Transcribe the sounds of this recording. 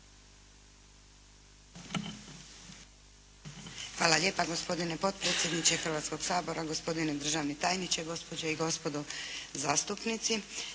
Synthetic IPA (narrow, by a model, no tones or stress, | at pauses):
xʋaːlalʲje̞ːpaɡo̞spo̞d̪ine̞po̞t̪̚pɾeːt̪sje̞d̪nit͡ʃe̞xrʋaːt̪sko̞ɡ̥saːboɾaɡo̞spo̞d̪ined̪r̩ʒaːʋnet̪aːjnit͡ɕeɡo̞spo̞d͡ʑeiɡo̞spo̞d̪ozaːst̪upnit̪si